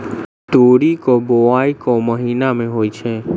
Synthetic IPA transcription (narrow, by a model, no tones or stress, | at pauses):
t̪oːɽikoboaːikoməɦiːnamẽɦoːit͡ʃʰɛː